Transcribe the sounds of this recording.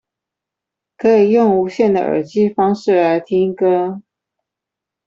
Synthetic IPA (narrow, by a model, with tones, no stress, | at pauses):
kʰɤ˧˥i˨˩jʊ˥˩ŋu˧˥ɕjɛ˥˩nd̪ə̰˨ʔə̰˞˨˩t͡ɕi˥˩fɑ˥ŋʂɻ̩˥˩a˧˥ɪt̪ʰi˥ŋkɤ˥